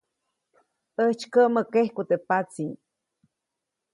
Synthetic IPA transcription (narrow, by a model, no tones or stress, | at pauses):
əht͡ʃkəʔməkehkut̪epat͡siŋ